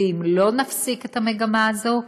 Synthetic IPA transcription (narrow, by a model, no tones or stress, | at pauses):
imlo̞nafsiket̪hameɡamaːzo̞